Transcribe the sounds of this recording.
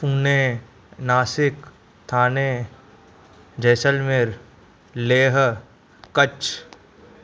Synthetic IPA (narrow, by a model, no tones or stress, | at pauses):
puːneː | naːsɪk | t̪ʰaːneː | d͡ʒɛːsəlmeɾ | leːɦ | kət͡ʃ